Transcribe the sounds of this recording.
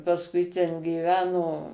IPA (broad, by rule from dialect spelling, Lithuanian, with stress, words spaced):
pɐsˈkʊɪ tʲɛn ɡʲiːˈʋʲæːnoː